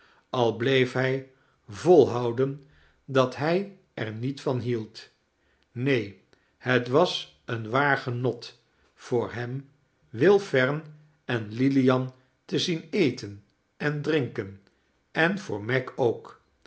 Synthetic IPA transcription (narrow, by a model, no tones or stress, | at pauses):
ɑlˠblejfɦɛj | vɔlˠɦɑwdən | dɑtɦɛj | ɛɹnitfɑnɦilˠt | nej | hətʋɑs | ənʋaːɹχənɔt | fʊːɹɦɛm | ʋɪlˠfɛɹn | ɛnlilijɑn | təzinejtən | ɛndrɪŋkən | ɛnv̥ʊːɹmɛkʰowk